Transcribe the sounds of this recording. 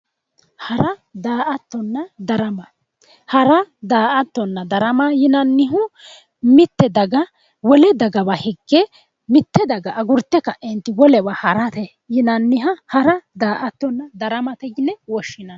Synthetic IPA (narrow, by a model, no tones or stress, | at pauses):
hɐɾɐd̪aːʔɐt̪ːɔnːɐd̪ɐɾɐmɐ | hɐɾɐd̪aːʔɐt̪ːɔnːɐd̪ɐɾɐmajɪnɐnːɪɦʊ | mɪt̪ːɛd̪ɐɡɐ | wɔlɛd̪ɐɡɐbɐhɛɡːɛ | mɪt̪ːɛd̪ɐɡɐʔɐɡʊɾt̪ːɛkɐʔɛnt̪ːɪwɔlɛbɐhɐɾɐt̪ɛ | jɪnɐnːɪɦɐhɐɾɐd̪aːʔɐt̪ːɔnːɐd̪ɐɾɐmɐt̪ɛɡɪnɛwɔʃːɪnɐn